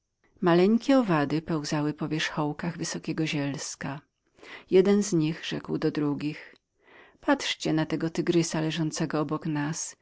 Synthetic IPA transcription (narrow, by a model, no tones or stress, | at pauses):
malɛŋkʲɛɔvad̪ɘpɛwzawɘpɔvʲjɛʂxɔwkaɣvɘsɔkʲɛɡɔʑɛlska | jɛd̪ɛnzɲixʐ̥ɛkwd̪ɔd̪ɾuɡʲix | pat̪ʂt͡ɕɛnat̪ɛɡɔt̪ɘɡɾɘsalɛʐɔnt̪sɛɡɔɔbɔknas